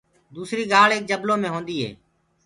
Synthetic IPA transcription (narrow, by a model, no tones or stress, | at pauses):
d̪uːsɾiːɡaːɭeːk̚d͡ʒəbloːmẽːɦoːnd̪iːɦḛː